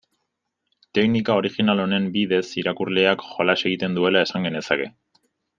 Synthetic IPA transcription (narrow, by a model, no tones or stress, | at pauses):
t̪e̞knikao̞ɾixinalo̞ne̞mbiðe̞siɾakurle̞akxo̞lase̞ɣ̞it̪e̞nd̪ue̞lae̞saŋɡe̞ne̞sake̞